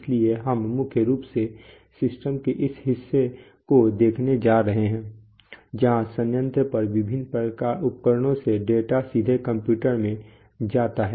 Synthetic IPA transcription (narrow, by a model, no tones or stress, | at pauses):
lieɦɐmːʊkʰjəɾuːpse | sɪsʈəmkeʔɪsɦɪsːe | kod̪eːkʰned͡ʒaːɾɐɦeɦɛ̃ː | d͡ʒɐɦãsə̃njə̃nt̪əpɐɾʋɪbʱɪnːpɾəkaːɾʊpkəɾɽ̃õseɖeːʈasid̪ʱekə̃mpjuːʈəɾmẽ | d͡ʒaːt̪aɦɛ